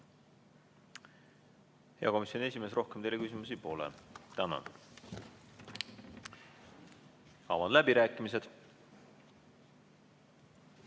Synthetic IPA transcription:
he̞ɑko̞misjonie̞s̬ʲimesro̞hkemt̪e̞jlːekys̬ʲimus̬ipo̞ːlḛt̪ænɑ̰n | ɑ̰vɑnlæbiɾæːkˑːimis̬e̞d̪̥

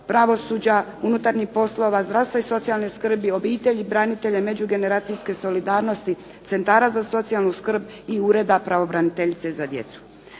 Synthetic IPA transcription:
pɾaʋo̞suːd͡ʑaunut̪aɾɲixpo̞slo̞ʋazd̪ɾaʋst̪vaiso̞t̪sialˠneskr̩bio̞biːt̪e̞ʎibɾanit̪e̞ʎeme̞d͡ʑuɡe̞ne̞ɾaːt̪siske̞so̞lid̪aːɾno̞st̪i | t̪se̞nt̪aːɾazaso̞t̪sialˠnuskr̩biuɾe̞d̪apɾaʋo̞bɾanit̪e̞ʎit̪se̞zad̪je̞̰t̪su̥

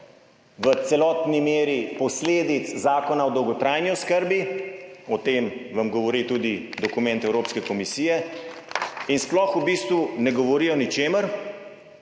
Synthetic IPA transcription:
ʋət̪sɛlɔt̪nimeːɾipɔsleːd̪it̪szaːkɔnaɔd̪ɔwɡɔt̪ɾajniɔskəɾbiɔt̪eːmʋɐmɡɔʋɔɾit̪uːd̪id̪ɔkumɛ̃nt̪ɛwɾoːpskɛkɔmisiːjɛ | insplɔxubiːst̪ʋunɛɡɔʋɔɾiːjɔnit͡ʃeːməɾ

